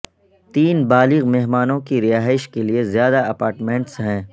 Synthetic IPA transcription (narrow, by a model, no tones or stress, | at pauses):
t̪iːnbaːlɪɣmeɦmaːnõkiɾɪjaːɦɪʃkeliezjaːd̪aɐpaːɾʈmẽɳʈsɦɛ̃ː